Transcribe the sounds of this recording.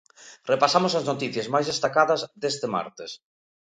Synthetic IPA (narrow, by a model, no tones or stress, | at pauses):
repasamosɐznot̪iθjɐzmajzðest̪akaðɐzðest̪ema̰ɾt̪es